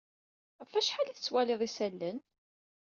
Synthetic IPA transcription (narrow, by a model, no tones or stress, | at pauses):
fæʃħaliθət͡sːwælɪðˤisælːən